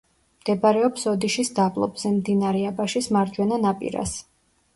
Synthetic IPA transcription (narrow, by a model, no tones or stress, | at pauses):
md̪̥ɛbaɾɛɔpsɔd̪iʃisd̪abʼlˠɔ̰bzɛmd̪inaɾɛabaʃismaɾd͡ʒwɛnanapʼḭɾa̰s